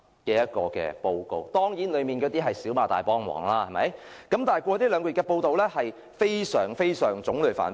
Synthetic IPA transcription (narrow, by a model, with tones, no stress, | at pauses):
kɛː˧jɐ˥t̚kɔː˧kɛ̰ː˧po˧wko˨˧wt̪ɔː˥ŋjiː˨˥nlɵ˨˧ɥmiː˨˩nkɛː˧˥t̪iː˥ɦɐ˨jsiː˨˥wmaː˨˧˩t̪aː˨˩jpɔː˥ŋwɔ̰ː˨˩ŋlaː˥hɐ˨˩mɐ˨˥j | kɐ˨˥mt̪aː˨nɦjkʷɔː˧t̪iː˥lœː˨˧ŋkɔː˧˥˨kɛ˧po˧wt̪o˨wlɛ˥hɐ˨j | fe˥jsœː˨˩ŋfe˥jsœː˨˩ŋt͡sʊ˨˥ŋlɵ˨˩fa̰ː˨˩n